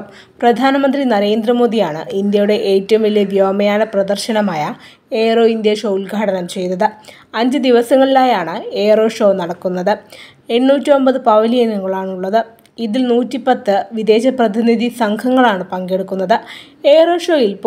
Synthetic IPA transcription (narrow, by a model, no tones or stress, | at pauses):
prɐd̪ʱaːnɐmɐnd̪rinɐɾe̞ːnd̪rɐmo̞ːd̪ijaːɳɨ̰ind̪jɐjuɽe̞ʔeːtːɐʋɐmilːeʋjoːmɐjaːnɐprɐd̪ɐrɕɐnɐmaːjɐ | e̞ːro̞ːind̪jɐʂo̞ːulɡʱaːɽɐnɐmt͡ɕe̞jt̪ɐðɨ | ɐɲd͡ʑɨd̪iʋɐsɐŋːɐɭilaːjaːɳɨeːro̞ːʂo̞ːnɐɽɐkːunːɐðɨ | e̞ɳːuːtːio̞mbɐðɨpɐʋɐlijɐniŋːɐɭaːɳuɭːɐðɨ | iðilnuːtːipɐt̪ːɨʋid̪e̞ːɕɐprɐd̪ʱiniðʱisɐŋkʰɐŋːɐɭaːɳɨpɐŋɡe̞ɽukːunːɐðɨ | e̞ːro̞ːʂo̞ːjilp